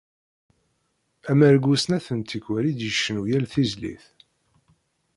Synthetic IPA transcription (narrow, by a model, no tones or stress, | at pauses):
æmæɾɡʷusnæθənt̪ikwæɾid̪jəʃːənujælθizlḭθ